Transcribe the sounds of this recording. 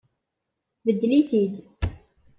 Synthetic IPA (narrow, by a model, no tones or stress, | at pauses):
bəd̪ːliθid̪